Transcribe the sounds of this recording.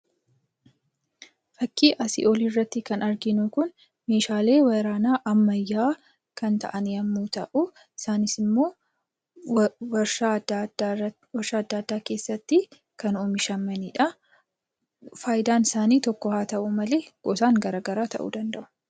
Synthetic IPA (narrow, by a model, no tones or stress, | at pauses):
fɐkːiːʔɐsɪ̰ʔɔlɪrːɐt̪ːɪkɐnɐɾɡɪnukʊn | me̞ːʃaːle̞ːwɐɾaːnaːʔɐmːɐjːaː | kɐnt̪ɐ̰ʔɐnjɐmːuːt̪ɐʔʊ | ɪsaːnɪsɪmːo̞ː | wad | wɐɾʃaːɐd̪ːɐːd̪ːaːke̞ːsːɐt̪ːɪ | kɐnuːmɪʃɐmːɐniːᶑɐ | faːjd̪aːnɪsaːniːt̪ɔkːɔhaːt̪ɐʔʊmɐle̞ːɡ̥ɔsaːŋɡɐɾaːɡɐɾaːt̪ɐ̰ʔṵd̪ɐnd̪ɐʔʊ̥